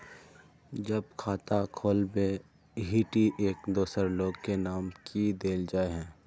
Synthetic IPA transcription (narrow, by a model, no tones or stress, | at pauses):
d͡ʒəbkʰaːt̪akʰoːlbe | ɦiːʈiʔeːkd̪oːsəɾloːɡkenaːmkʰid̪eːld͡ʒaːeɦɛ̃ː